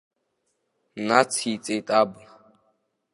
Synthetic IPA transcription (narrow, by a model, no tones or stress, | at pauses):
nat͡sʰit͡sʼetʼabu